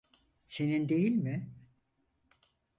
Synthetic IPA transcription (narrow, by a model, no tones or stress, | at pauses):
se̞nind̪e̞jilʲmɪ